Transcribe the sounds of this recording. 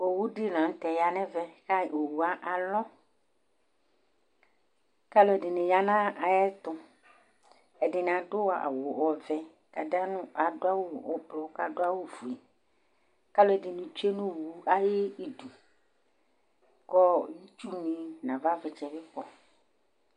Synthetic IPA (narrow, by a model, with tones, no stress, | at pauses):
o˨wu˦dɪ˦lã˨˦t̪ɛ˨ja˨nɛ̃˦vɛ˦ka˦o˨wu˨a˨ʔa˨lɔ˦ | ka˦lʊ˦ɛ˨dɪ˨nɪ̃˨ja˨nã˦a˨jɛ˦t̪ʊ˦ | ɛ˨dɪ˨n˨a˨dʊ˦wa̰˨wo˨wɔ˨vɛ˦ | ka˨da˦nʊ̃˦ʔa˨dʊ˦a˦wo˦˨ɔ˦blɔ˨˦ka˨dʊ˦a˦wo˦vu˨e˨ | ka˦lo˦ɛ˨dɪ˨nũ˨t͡ʃe˦nũ˦˨wu˨˦a˦je˦i˨du˨ | kɔ˦ji˦t͡ʃu˦nĩ˨nã˨va˦vɛ˨t͡ʃɛ˨bɪ˦k͡pɔ˦